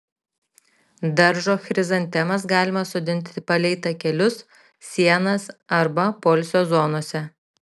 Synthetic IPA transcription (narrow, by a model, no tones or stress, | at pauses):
d̪ɐɾʒoːxɾʲɪzɐnʲt̪ʲɛmɐsɡɑːlʲɪmɐsʊd̪ʲɪnʲt̪ʲɪpɐlʲɛɪt̪ɐkʲɛlʲʊs | sʲiɛnɐsɐɾbɐpɔːlʲsʲoːzoːnoːsʲɛ